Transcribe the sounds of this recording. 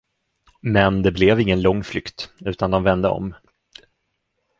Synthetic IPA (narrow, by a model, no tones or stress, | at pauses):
mɛnd̪ɛblɛvɪŋːənlɔŋːflʏkt̪ʉ̟ːt̪and̪ɔmvɛnd̪əɔ̰m